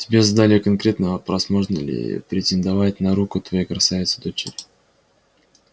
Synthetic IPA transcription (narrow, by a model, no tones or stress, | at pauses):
tʲɪbʲe̞zad̪alʲɪəkɐnkɾʲet̪nəpɾɐsmoʐnəlʲɪ̰pɾʲɪtʲɪnd̪ɐvatʲnɐɾukʊt̪vɐjejkɾɐsavʲɪt̪sə̥d̪ot͡ɕɪ̰ɾʲɪ